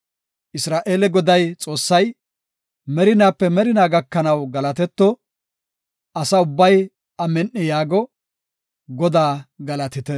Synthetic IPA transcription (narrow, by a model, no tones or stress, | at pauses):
ʔɪsɾaːʔe̞ːlɛɡɔd̪ɐjt͡sʼo̞ːsːɐj | mɛɾɪnaːpːɛmɛɾɪnaːɡɐkːɐnɐwɡɐlɐt̪ɛt̪ːɔ | ʔɐsɐʊbːɐj | ɐmɛnːɪjaːɡɔ | ɡɔd̪aːɡɐlɐt̪ɪt̪ɛ